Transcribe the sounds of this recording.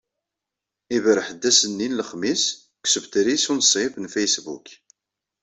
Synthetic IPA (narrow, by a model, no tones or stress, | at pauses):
ivɾəħəd̪ːæsənːinləχmis | ksəbt̪ɾisunsˤifnfæjsbṵk